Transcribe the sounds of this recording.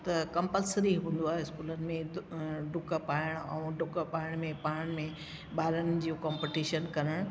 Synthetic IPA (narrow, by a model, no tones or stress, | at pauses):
t̪ɐkɐ̃mpəlsəɾiɦũːn̆d̪oaːɦeɪskuːlənɪ̆mẽɖʊkəpaːɪɽ̃ɛ̰̃ːɖʊkpaːɪɽ̃mẽpaːɽ̃mẽ | ɓaːɾənd͡ʑiːukãːmpiʈiːʃənkɐɾəɽ̃